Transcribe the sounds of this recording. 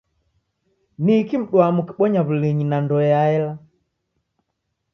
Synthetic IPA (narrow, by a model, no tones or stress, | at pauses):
nikim̩ɗwamuki̥ɓɔɲaβuliɲinandɔjaɛla